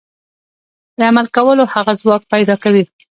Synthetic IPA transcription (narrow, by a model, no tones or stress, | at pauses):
d̪əamalkawəlohaɣazwɑk̚pajd̪ɑkawi